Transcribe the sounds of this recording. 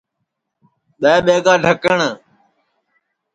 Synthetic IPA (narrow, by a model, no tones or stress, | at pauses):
ɓeːɓeːɡaːɖʱəkəɳ